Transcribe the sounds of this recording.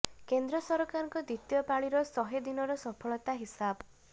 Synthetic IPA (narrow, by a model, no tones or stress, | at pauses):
kend̪ɾɔsɔɾɔkaɾɔŋkɔd̪it̪jɔpaɭiɾɔsɔɦed̪inɔɾɔsɔpʰɔɭɔt̪aɦisab